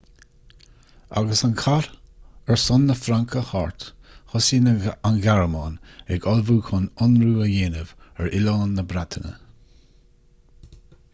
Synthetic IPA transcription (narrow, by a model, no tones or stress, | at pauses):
a̰ɡəsankʰaɾɛɹsʊnːəfɾaŋkʰəhaɹt̪ | xɔsiːnəanɡaɹəmɑːnɛɡɔlvuːkʰʊnʊnɾuːəjeːnəvɛɹʔɪlɔːnːəbɾat̪ʰənə̰